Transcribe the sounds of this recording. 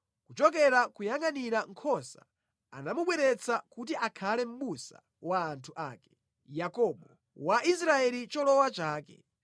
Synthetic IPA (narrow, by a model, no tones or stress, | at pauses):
kut͡ʃɔkɛɾakujaŋaniɾaŋ̩kʰɔsa | anamuɓwɛɾɛt͡sʰakut̬iʔakʰalɛm̩ɓusa̰ | waːntʰuʔaːkɛ̥ | jakɔɓɔ | waʔisɾaɛlit͡ʃɔlɔwat͡ʃaːkɛ̰